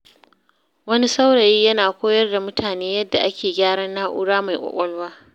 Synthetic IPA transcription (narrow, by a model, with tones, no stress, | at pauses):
wɐ˦ni˦sa˦wɽɐ˨jiː˦jɐ˦naː˨kʷoː˦jɐ˦rda˨mʊ˦tʰaː˨neː˦jɐ˦dːa˨ʔa˦kʲeː˨ɡʲaː˦ɽɐ˦nːaː˦ʔʊ̰˦ɽaː˦ma˨jkʷʼɔ̰˨kʷʼɔ˦lwaː˦